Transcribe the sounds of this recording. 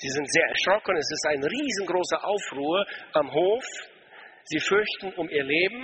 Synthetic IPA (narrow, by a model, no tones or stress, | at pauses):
z̥iːzɪntz̥eːɐʔɛ̰ɐʃʁ̥ɔkənɛsɪstaɪnʁiːzənɡʁoːsɐʔaʊfʁuːəʔamɦoːf | z̥iːfʏɐçtn̩ʔʊmiːɐleːbm̩